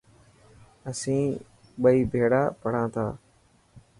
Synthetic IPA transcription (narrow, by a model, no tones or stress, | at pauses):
əsĩː | ɓəiːbʱeːɽaːpəɽ̤ãːt̪ʰaː